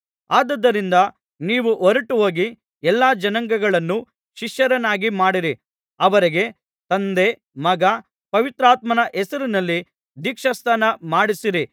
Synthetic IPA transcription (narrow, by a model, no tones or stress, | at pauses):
aːd̪ɐd̪ːɐɾind̪ɐ | niːʋuʔɔɾɐʈuɦo̞ːɡi | ɛlːaːd͡ʒɐnɐŋɡɐɡɐɭɐnːu | ʃiʂjɐɾɐnaːɡimaːɽiɾi | ɐʋɐɾiɡe̞ | t̪ɐnd̪e̞ | mɐɡɐ | pɐʋit̪ɾaːt̪mɐnɐʔɛsɐɾinɐlːi | d̪iːkʂɐst̪ʰaːnɐmaːɽisiɾi